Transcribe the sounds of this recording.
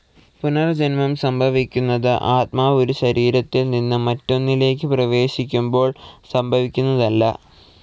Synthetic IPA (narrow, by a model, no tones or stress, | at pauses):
punɐrd͡ʑenmɐmsɐmbʱɐʋikʲːunːɐðɨʔaːt̪̚maːo̞ɾuɕɐɾiːɾɐt̪ːilninːɨmɐtːo̞nːile̞ːk̬ːɨprɐʋe̞ːɕikʲːumbo̞ːɭsɐmbʱɐʋikʲːunːɐðɐlːɐ̰